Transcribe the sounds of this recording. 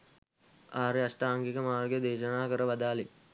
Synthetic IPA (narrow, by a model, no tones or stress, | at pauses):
aːɾeasʈaːŋɡikəmaːrɡjəd̪eːʃənaːkəɾəʋad̪aːle